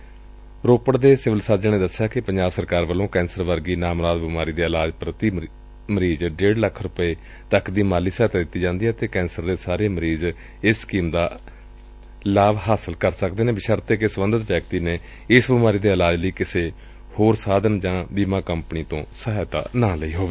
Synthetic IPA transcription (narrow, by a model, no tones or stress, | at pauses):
ɾoːpəɽd̪eːsɪʋəlsaːd͡ʒənẽːd̪əsːjaːkɪpəɲd͡ʒaːbsəɾkaːɾʋəlõːkɛ̃ːnsəɾʋəɾɡiːnaːmɾaːd̪bɪmaːɾiːd̪eːəlaːd͡ʒpɾət̪iː | məɾiːd͡ʒɖeːɽləkʰɾʊpəeː | t̪əkd̪iːmaːliːsəːt̪aːd̪ɪt̪ːiːd͡ʒãːnd̪iːɦɛːt̪eːkɛ̃ːnsəɾd̪eːsaːɾeːməɾiːz | ɪsːkiːmd̪aː | laːʋɦaːsəlkəɾsək̚d̪eːnẽːbɪʃaːɾt̪eːkesəbənd̪ət̪ʋjɛːkt̪iːneː | ɪsbɪmaːɾiːd̪eːəlaːd͡ʒləiːkɪseː | hoːɾsaːd̪ənd͡ʒãːbiːmãːkəmpniːt̪õːsəɦt̪a̰ːnãːləiːɦoːʋeː